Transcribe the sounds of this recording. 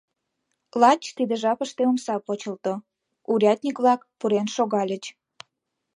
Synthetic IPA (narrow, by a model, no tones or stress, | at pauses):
lɑt͡ɕt̪id̪əʒɑpəʃt̪eomsɑpot͡ɕəlt̪o | uɾʲɑt̪ʲnʲikβlɑkpuɾenʃoɣɑlʲət͡ɕ